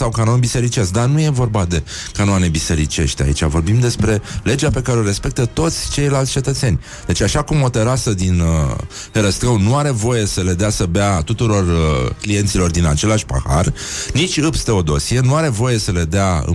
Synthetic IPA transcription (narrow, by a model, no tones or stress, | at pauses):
sawkanonbise̞ɾit͡ʃesd̪anuje̞vo̞rbad̪e̞ | kanoane̞bise̞ɾit͡ʃe̞̰ʃt̪a̰it͡ʃʲa̰vo̞rbimd̪e̞spɾe̞le̞d͡ʒape̞kaɾeo̞ɾe̞spe̞k̚t̪ət̪o̞t̪sʲt͡ʃe̞jlalt̪sʲt͡ʃe̞t̪ət̪se̞nʲ | d̪̥e̞t͡ʃʲaʃakumo̞t̪e̞ɾasəd̪in | heɾəst̪ɾəwnuaɾe̞vo̞je̞səle̞d̪easəbeat̪ut̪uɾo̞rklije̞nt̪silo̞rd̪inat͡ʃe̞laʃʲpa̰ha̰r | nit͡ʃʲɨpst̪e̞o̞d̪o̞sienuaɾe̞vo̞je̞səle̞d̪eaɨ̰